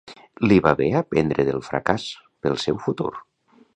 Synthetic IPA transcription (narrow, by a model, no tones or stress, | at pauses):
liβaβeapend̪ɾeðəlˠfɾa̰kas | pəlˠsɛwfut̪ṵɾ